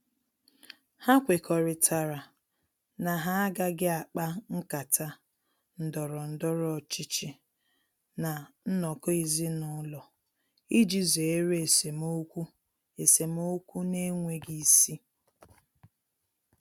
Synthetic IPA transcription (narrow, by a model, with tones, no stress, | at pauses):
ha˦kʷe˨kʰɔ˨ɾɪ˨tʰa˨ɾa˨ | na˨ɦa˦ɡa˦ɡɪ˦a˨k͡pa˦ŋ̩˦ka˨tʰa˦ | n̩˨dɔ˨ɾɔ˨n̩˨dɔ˦ɾɔ˨t͡ʃi˦t͡ʃɪ˦ | na˨n̩˦nɔ˨kɔ˦i˨zi˦nʊ˨˦lɔ˨ | i˦d͡ʒi˦ze˨˦ɾe˨se˨mo˦kʷu˦ | e˨se˨m˦o˦kʷu˦ne˦ŋʷe˨ɡi˦si˦